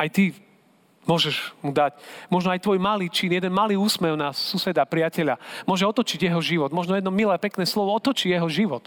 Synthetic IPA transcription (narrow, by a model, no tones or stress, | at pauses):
ajt̪i | mʊɔʒɛʒmud̪acmɔʒnɔajt̪ʋɔjmaliːt͡ʃinjɛd̪ɛnmaliːuːsmɛwnasusɛd̪apɾɪacɛʎamʊɔʒɛɔt̪ɔt͡ʃiɟjɛɦɔʒiʋɔd̪mɔʒnɔjɛd̪nɔmilɛpɛknɛːslɔʋɔɔt̪ɔt͡ʃijɛɦɔʒiʋɔt̪